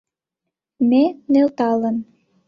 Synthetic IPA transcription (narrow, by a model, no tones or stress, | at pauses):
menelt̪ɑlən